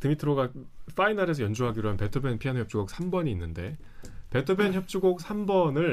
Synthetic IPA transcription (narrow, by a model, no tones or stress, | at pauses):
tɯmitʰɯɾoɡa | f͈ainaɾe̞sʰʌjʌnd͡ʑuɦaɡiɾoɦanpe̞tʰɯpʰenpʰiançjʌp̚t͡ɕ͈uɡok̚sʰambʌɲiːnːɯnde̞̰ | pe̞tʰɯpʰençjʌp̚t͡ɕ͈uɡok̚sʰambʌnɯɭ